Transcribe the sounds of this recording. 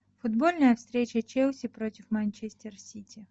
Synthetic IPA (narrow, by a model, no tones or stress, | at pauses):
fʊd̪bolʲnəjəfst̪ɾʲet͡ɕət͡ɕeʊsʲɪpɾotʲɪfmɐnʲt͡ɕesʲt̪ʲɪrsʲitʲɪ